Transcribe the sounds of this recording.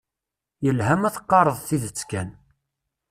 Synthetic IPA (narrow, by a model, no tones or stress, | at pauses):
jəlɦæmæθə̥qːɑɾˤəðˤθiðət͡sːkæn